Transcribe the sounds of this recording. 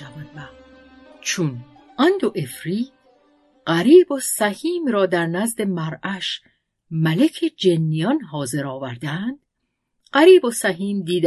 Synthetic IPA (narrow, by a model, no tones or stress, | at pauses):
vænvæ | t͡ʃʰun | ʔænd̪oʔe̞fɾiː | ɢæɾiːbosæhiːmɾɒːd̪æɾnæzd̪e̞mæɾæʃ | mælekʰed͡ʒenːijɒnɦɒːze̞ɾɒːvæɾd̪ænd̪̥ | ɢæɾiːbosæɦiːmd̪iːd̪æ